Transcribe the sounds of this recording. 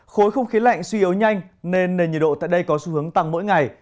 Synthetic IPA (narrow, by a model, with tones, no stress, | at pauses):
xo˨˦jxə˧wŋ͡mxi˨˦la̰˧˨ŋ̟swi˧i˨˦əwɲa˧jŋ̟ne˧nːe˨˩nɲḭ˨˩ɗo̰˧˨t̪a̰ː˧˨jɗə˧jkɔ˨˦su˧hɨ˨˦əŋt̪a˨˩ŋmo̰˧˥jŋa˨˩j